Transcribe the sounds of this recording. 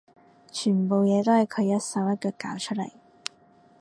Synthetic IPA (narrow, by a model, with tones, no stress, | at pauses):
t͡ʃʰyː˨˩npo˨˧wjɛː˨˧t̪o˥whjkʰɵ˨˧jɐ˥tsɐ˨˧˥wjɐ˥t̚kɔː˧kaː˨˥wt͡ʃʰɵ˥t̚lɐ˨˩j